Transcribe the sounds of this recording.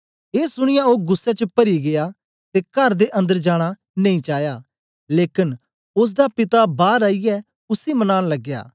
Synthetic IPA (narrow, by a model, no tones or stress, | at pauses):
eːsʊɽ̃ɪjaoːɡʊsːɛt͡ʃəpɐɾiɡeja | t̪ekɐɾd̪eʔɐ̃nd̪əɾd͡ʒaːɽ̃a | nɐ̃ĩːt͡ʃaːjaː | leːkɪn | ʊs̬d̪apɪt̪abaːɾaːijɛ | ʊsimɐnaːnlɐɡːja̰ː